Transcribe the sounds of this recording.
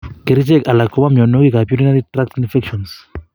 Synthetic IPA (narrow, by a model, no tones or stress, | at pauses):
keɾit͡ʃekalakoβamjonoɣikapjuɾinaɾit̪ɾak̚t̪infekʃons